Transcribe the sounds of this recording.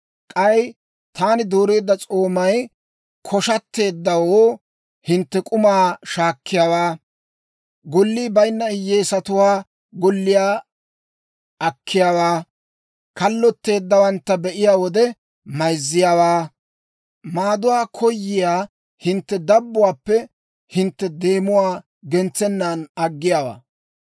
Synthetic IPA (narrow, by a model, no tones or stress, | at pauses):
kʼɐj | t̪ʰaːnɪd̪uːɾeːd̪ːɐt͡sʼoːmɐj | kʰɔʃɐt̪ːe̞ːd̪ːɐwoː | hɪnt̪ːɛkʼʊmaːʃaːkːɪjaːwaː | ɡʊlːiːbɐjnːɐɪjːeːsɐt̪ʊwaː | ɡʊlːɪjaː | ɐkːɪjaːwaː | kɐlːɔt̪ːe̞ːd̪ːɐwɐnt̪ːɐbɛʔɪjaːwɔd̪ɛ | mɐjzːɪjaːwaː | maːd̪ʊwaːkʰɔjːɪjaː | hɪnt̪ːɛd̪ɐbːʊwaːpːɛ | hɪnt̪ːɛd̪e̞ːmʊwaː | ɡɛnt͡sːɛnːanɐɡːɪjaːwa̰ː